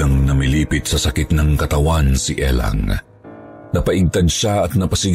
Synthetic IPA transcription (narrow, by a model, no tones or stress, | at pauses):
ɐŋnɐmiliːpɪt̪̚sɐsɐkit̪nɐŋkɐt̪ɐwansiʔɛ̰la̰ŋ | nɐpɐʔɪɡ̚t̪ɐd̪ʃaɐt̪̚nɐpɐsɪɡ